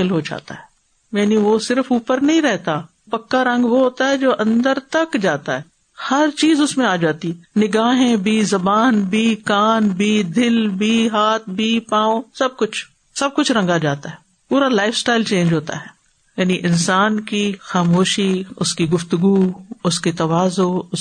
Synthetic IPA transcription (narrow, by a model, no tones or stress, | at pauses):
ɪlɦod͡ʒa̰ːt̪a̰ɦɛː | jɛːniʋosɪɾəfuːpəɾnɐɦĩɾɛɦt̪a | pɐkːaɾɐ̃ŋɡʋoɦoːt̪aɦɛd͡ʒoːʔɐ̃nd̪əɾt̪ɐkd͡ʒaːt̪aɦɛː | hɐɾt͡ʃiːzʊsmẽaːd͡ʒaːt̪inɪɡaːɦẽbʱiːzɐbaːnbʱiːkaːnbʱiːd̪ɪlbʱiːɦaːt̪̚ʰbʱiːpãːõsɐb̚kʊt͡ʃʰ | sɐb̚kʊt͡ʃʰɾɐ̃ŋɡad͡ʒaːt̪aɦɛː | puːɾalaːɪfsʈaːɪlt͡ʃẽːnd͡ʒɦoːt̪a̰ɦɛː | jaːniʔɪnsaːnkixaːmoːʃiʊskiɡʊft̪ʊɡuːʊsket̪ɐʋaːzoʊ